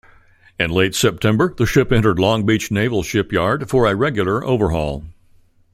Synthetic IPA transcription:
ɨ̃nleɪtsɛp̚tʰɛ̃mbə˞ðɨʃɪpɛ̃ñə˞dˡlɔ̃ŋbit͡ʃneɪvl̩ˠʃɪpjɑɹd̥fə˞ɨɹɛɡjl̩ˠə˞ʔo̰ʊvə˞ɦɔ̰lˠ

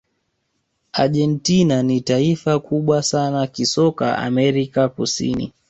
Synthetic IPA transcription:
a̰ʄɛntinanitaifakʰuɓwasanakisɔka̰ʔa̰mɛɾikakusḭnḭ

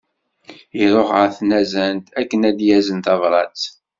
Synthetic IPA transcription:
iɾˤoχəɾθnæzænt̪ækːənæd̪jæzənt̪ɑvɾˤɑt͡s

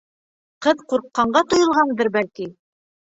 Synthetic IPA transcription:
qɤðquɾqːɑɴɢɑt̪ŏjɤ̆lˠʁɑnd̪ɤɾbælki

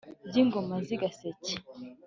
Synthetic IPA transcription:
diŋɡomaziɡaseci̥

